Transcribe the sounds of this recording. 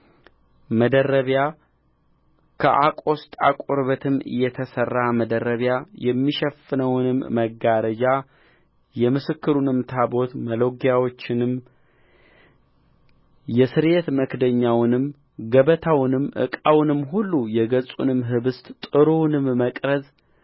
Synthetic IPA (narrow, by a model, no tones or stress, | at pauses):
məd̪əɾːəβja | kʰə̰ʔa̰kʼo̞st̪ʼakʷʼoɾβət̪ʰɨmːɨ̰jːɛt̪ʰəsərːaməd̪əɾəβjajɛmːiʃɛfɨnəwnɨmːəɡaɾəd͡ʒa | jɛmɨsɨkːɨɾunɨmt̪ʰabo̞t̪məloɡjawo̞t͡ʃːɪnɨm | jɛsɨɾjet̪məkd̪əɲːawnɨm | ɡəβət̪ʰawnɨmʔɨ̰kʼawnɨmːɦulːujɛɡəsʼṵnɨmɦɨβɨst̪ʼt̪ʼɨɾonɨmːəkʼɾəz